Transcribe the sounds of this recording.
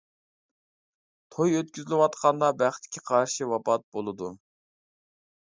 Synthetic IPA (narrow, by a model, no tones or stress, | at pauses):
t̪ʰojøt̪̚kʲyzɪlɪwɑt̪qʰɑnd̪ɑbæχt̪ʰːɪ̥kʲʰiqʰɑɾʃiwɑpɑt̪̚bolˠɨd̪u